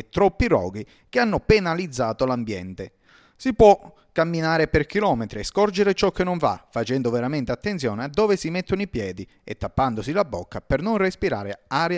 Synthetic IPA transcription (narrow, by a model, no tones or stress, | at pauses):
et̪ːɾɔpːirɔ̰ːɡi | k̟eanːʊpenalid̪zːaːt̪olambjɛ̰nt̪e | sipwɔ | kːamːinaːɾeperk̟ilɔːmet̪ɾiɛskɔrd͡ʒeɾet͡ʃɔkːenːoɱva̰fat͡ʃɛnd̪ʊveɾament̪eat̪ːent̪sjɔːnead̪ːoːvesimet̪ːʊnoipjɛːd̪i | ḛt̪ːapːand̪ʊsilabːokːapernonrespiɾa̰ːɾeaːɾj